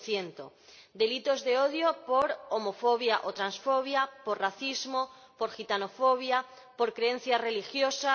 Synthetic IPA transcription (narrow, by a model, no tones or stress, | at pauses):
θjent̪o̰d̪e̞lit̪o̞zðeoðjopoɾomofoβjaʔot̪ɾansfoβjapoɾraθizmo | poɾxit̪anofoβ̞ja | po̞ɾkɾeen̟θjare̞lixjosa